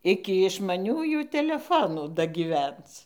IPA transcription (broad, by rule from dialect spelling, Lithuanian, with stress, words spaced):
ˈɪkʲɪ ɪʃmɐˈnʲuːjuː tʲɛlʲɛˈfoːnuː dɐɡʲiːˈʋʲɛnt͡s